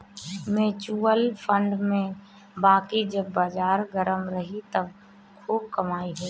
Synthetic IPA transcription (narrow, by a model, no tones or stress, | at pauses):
mẽt͡ʃuːəlpʰə̃ɳɖmẽ | baːkid͡ʒəbːaːd͡ʒaːɾɡəɾəmɾəɦit̪əb | kʰuːb̚kəmaːiɦeː